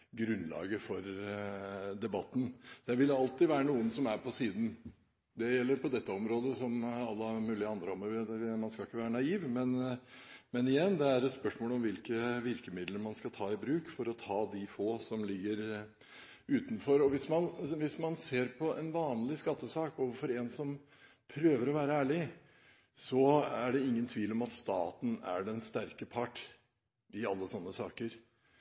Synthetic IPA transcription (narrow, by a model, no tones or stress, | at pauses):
ɡɾʉnlɑ̰ːɡəfɔɾ | d̪ɛbɑt̪ːn̩d̪̥ɛʋɪlɑlt̪ɪʋæːɾənuːənsɔmæɾpʰɔsiːd̪n̩ | d̪ɛjɛlːəɾpʰɔd̪ɛt̪ːəɔmɾoːd̪əsɔmɑlːəmʉːlɪəɑnd̪ɾəɔməʋɪd̪ɛmɑnskɑlɪkːəʋæːɾənɑiːʋmɛn | mɛnɪjɛnːd̪ɛæɾɛt̪spœʂmoːlɔmʋɪlkəʋɪɾkəmɪd̪ləɾmɑnskɑt̪ʰɑːɪbɾʉːkfɔɾɔt̪ʰɑːd̪ɪfoːsɔmlɪɡːəɾ | ʉːt̪nfɔɾɔʋɪsmɑnʋɪsmɑnseːɾpʰɔʔɛnʋɑːnlɪskɑt̪ːəsɑːkɔːʋəfɔɾɛnsɔm | pʰɾøːʋəɾɔʋæːɾəæːɭɪ | sɔæɖɛɪŋːənt̪ʰʋiːlɔmɑt̪st̪ɑ̰ːt̪n̩æ̰ɖɛnst̪æɾkəpʰɑʈː | ɪɑlːəsɔnːəsɑːkəɾ